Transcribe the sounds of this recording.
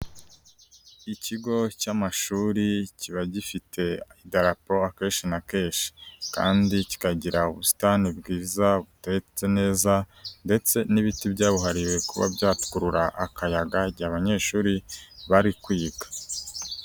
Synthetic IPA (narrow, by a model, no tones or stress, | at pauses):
iciɡo̞camaʃuːɾiciβaɟifitʰe̞idaɾapo̞akeːʃinakeːʃi̥ka̰ːndici̥kaɟiɾauβusi̥tanibɡiːzaβutet͡se̞ne̞ːzande̞t͡se̞niβitibɟaːβuɦaɾiwe̞kuβa̰bjaːtu̥kuɾuɾaʔːkajaɡaɟaːβaɲe̞ːʃuːɾiβaɾikwiːɡḁ